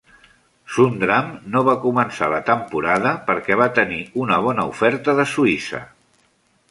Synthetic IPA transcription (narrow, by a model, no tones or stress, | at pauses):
sund̪ɾamnoβ̞akumənsa̰lət̪əmpuɾaðəpəɾkɛβ̞at̪əniunəβ̞ɔnəṵfɛɾt̪əðəsuisə̰